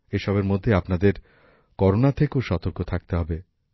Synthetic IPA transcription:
eʃɔbeɾmod̪ʱːeapnad̪eɾ | kɔɾonat̪ʰekeoʃɔt̪oɾkot̪ʰak̚t̪eɦɔbe

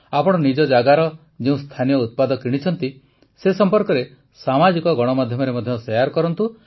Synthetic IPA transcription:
apɔɽ̃ɔnid͡ʒɔd͡ʒaɡaɾɔ | d͡ʒeũst̪ʰanijɔut̪̚pad̪ɔkiɽ̃it͡ʃʰɔnt̪i | sesɔmpɔɾkɔɾe | samad͡ʒikɔɡɔɽ̃ɔmad̪ʱjɔmɔɾemɔd̪ʱjɔsɔjaɾkɔɾɔnt̪u

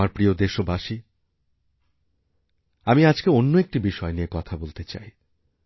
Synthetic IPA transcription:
aɾpɾiod̪eʃobaʃi | amiad͡ʑkeonːoek̚ʈibiʃɔeniekɔt̪ʰabolt̪et͡ɕa̰j

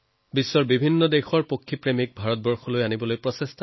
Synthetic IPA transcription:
bisːɔɹbibʱinːɔdexɔɹpokʰːipɹemik̚bʱaɹɔt̚bɔɹxɔlojanibɔlojpɹɔsestɔ

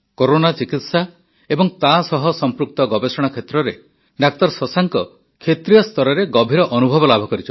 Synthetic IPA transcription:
koɾonat͡ʃikit̪sa | ebɔŋt̪asɔɦɔsɔmpɾuk̚t̪ɔɡɔbesɔɽ̃akʰet̪ɾɔɾe | ɖak̚t̪ɔɾsɔsaŋkɔ | kʰet̪ɾijɔst̪ɔɾɔɾeɡɔbʱiɾɔʔɔnubʱɔbɔlabʱɔkɔɾit͡ʃʰɔ

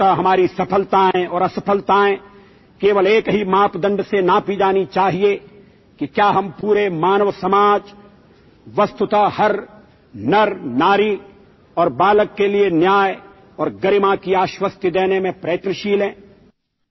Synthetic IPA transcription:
aɦɐmaːɾisɐpʰəlt̪aɦɛ̃ɔːɾɐsɐpʰəlt̪aɦɛ̃ː | keːʋəleːkɦimaːpd̪ə̃ɳɖsenapid͡ʒaːnit͡ʃaːɦie | kikjaːɦɐmpuːɾemaːnəʋsɐmaːd͡ʒ | ʋɐst̪ʊt̪ahɐɾ | nɐɾnaːɾi | ɔːɾbaːləkːelienjaːj | ɔːɾɡəɾɪmãkiaːʃwəst̪jəd̪eːnemẽpɾɛːt̪nəʃiːlɦɛ̃ː

